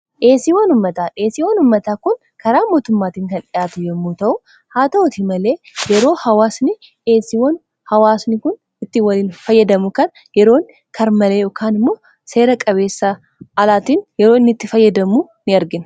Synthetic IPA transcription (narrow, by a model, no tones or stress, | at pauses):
ʔe̞ːsiwɐnʊmːɐt̪aːʔe̞ːsiːwɐnʊmːɐt̪aːkʊn | kɐɾaːmo̞ːt̪ʊmːaːt̪iːŋkɐnᶑɪjaːt̪ʊjɛmːuːt̪ɐʔʊ | haːt̪ɐʊt̪ɪmɐle̞ː | jɛɾo̞ːhɐwaːsnɪ | ʔe̞ːsɪwɐn | hɐwaːsnɪkʊn | ɪt̪ːɪwɐliːnfɐjːɐd̪ɐmʊkɐn | jɛɾo̞ːŋ | kʰɐɾmɐleːɔkʰaːnɪmːoː | se̞ːɾɐkʼɐβe̞ːsːa | ɐlaːt̪iːnjɛɾoːɪnːɪt̪ːɪfɐjːɐd̪ɐmuː | nɪɐɾɡɪn